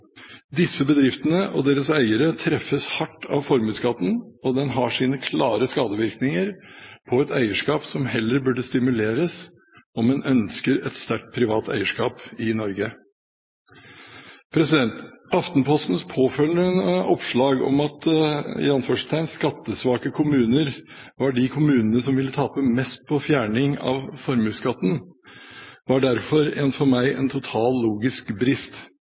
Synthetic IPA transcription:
d̪ɪsːəbəd̪ɾɪft̪ənəʔɔ̰d̪eːɾəsæɪəɾət̪ʰɾɛfːəshɑʈːɑ̰ʋfɔɾmʉːt̪skɑt̪ːnɔd̪ɛnɦɑːʂiːnəkʰlɑːɾəskɑːd̪əʋɪɾknɪŋəɾpʰɔɛt̪æɪəʂkɑːpsɔmhɛlːəɾbʉɖəst̪ɪmʉleːɾəs | ɔmːɛnʔœnskəɾɛt̪st̪æʈ̚pʰɾɪʋɑːt̪ʰæ̰ɪəʂkɑːpɪnɔɾɡə | pʰɾɛsɪd̪ɛnt̪ɑft̪npʰɔst̪n̩spʰoːfœlnəɔpʂɭɑːɡɔ̰mɑt̪ɪ̰ɑnføːʂt̪ʰæɪnskɑt̪ːəsʋɑːkəkʰʊmʉːnəɾ | ʋɑɖɪkʰʊmʉːnənəsɔmʋɪlːət̪ʰɑːpəmɛst̪̚pʰɔfjæːɳɪŋɑ̰ʋfɔɾmʉːskɑt̪ːn̩ | ʋɑɖæɾfɔɾeːnfɔɾmæɪʔɛ̰nt̪ʰʊt̪ʰɑːlːuːɡɪskbɾɪst̪

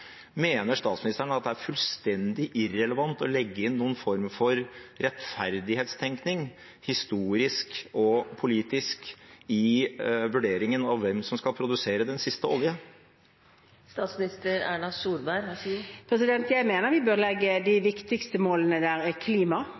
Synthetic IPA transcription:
meːnəʂt̪ɑːt̪smɪnɪst̪æɳəɑt̪̚d̪ɛæɾfʉlst̪ɛnd̪ɪʔɪɾɛləʋɑnt̪ɔlɛɡːəɪnːuːənfɔɾmfɔɾɾɛt̪fæɾd̪ɪheːt̪st̪ʰɛŋknɪŋ | hɪst̪uːɾɪskɔpʰʊliːt̪ɪskɪʋʉɖeːɾɪŋənɑʋːɛmsɔmskɑlpʰɾʊd̪ʉseːɾəd̪ɛnsɪst̪əɔljə | st̪ɑsmnɪst̪əɾæ̰ːɳɑsuːɾbæɾpʰɾɛsɪd̪ɛnt̪jæɪmeːnəɾʋɪbøːʁlɛɡːəd̪ɪʋɪkt̪ɪkst̪əmoːlənəd̪æːɾɪkʰliːmɑ

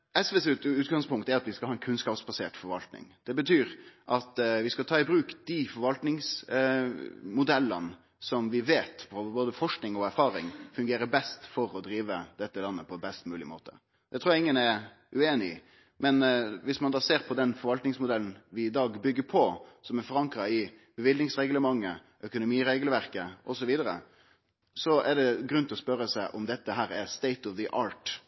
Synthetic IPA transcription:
ɛsʋɛsɛʉːt̪ɡɑŋspʊŋkt̪æɾɑt̪ʋɪskɑlhɑːɛnkʰʉnskɑːpsbɑsḛːʈfɔɾʋɑ̰lt̪nɪ̰ŋd̪̥ɛbət̪ʰyːɾʔɑt̪ʋɪskɑlt̪ʰɑːɪbɾʉːkd̪̥ɪfɔɾʋɑlt̪nɪŋs | mʊd̪ɛlːə̰n | sɔmʋɪʋeːt̪pʰɔboːd̪əfɔʂknɪŋɔæɾfɑːɾɪ̰ŋfʉŋɡeːɾəbɛst̪fɔɾɔd̪ɾiːʋəd̪ɛt̪ːəlɑnːəpʰɔbɛst̪mʉːlɪmo̰ːt̪ʰə̰ | d̪̥ɛt̪ʰɾuːjɛɪŋːənɛ | ʔʉeːnɪ̰ | mɛnʋɪsmɑnd̪ɑːseːɾpʰɔd̪ɛnfɔɾʋɑlt̪nɪŋsmʊd̪ɛln̩ʋɪːd̪ɑːɡbʏɡːəɾpʰɔsɔmɛɾfɔɾɑŋkɾɑɪb̥əʋɪlnɪŋsʁɛɡləmɑŋːə | ʔœkʊnʊmiːɾeɡləʋæɾkəʔɔsɔʋiːd̪əɾə̰ | sɔʔɛɖɛɡɾʉnt̪ɪɔspœɾəsæɪʔɔmd̪ɛt̪ːəɦæːɾɛst̪ɛɪt̪ɔʋðəʔɑːɾʈ

